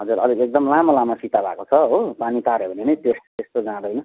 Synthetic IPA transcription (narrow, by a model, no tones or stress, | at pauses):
ɦʌd͡zurʌ̰liek̚d̪ʌmlamalamasit̪abʱa̰kot͡sʰʌɦopanit̪aɾebʱʌnenʌjt̪est̪est̪od͡zãd̪ʌjnʌ